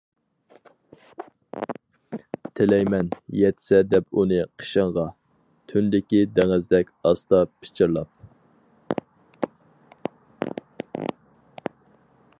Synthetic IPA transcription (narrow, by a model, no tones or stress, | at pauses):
t̪ʰɪlɛjmɛnjɛt̪ʰɪ̥sɛd̪ɛpunɨqʰə̥ʃəɴʁɑ | t̪ʰynd̪ɪkʲid̪ɛŋɪzd̪ɛkʲɑst̪ɑpʰɪ̥t͡ʃʰɪɾlˠɑp̚